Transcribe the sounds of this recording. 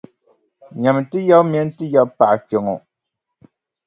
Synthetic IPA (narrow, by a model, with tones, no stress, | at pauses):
ɲa˨m˨tɨ˦jɛ˦lmɛ˦n˦tɨ˦jɛ˦lpa˨ʔkɛ˨ŋo˨